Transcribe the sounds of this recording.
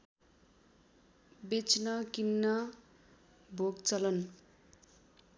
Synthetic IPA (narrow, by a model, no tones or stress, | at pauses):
bet͡snʌkinːʌ | bʱoɡt͡sʌlʌn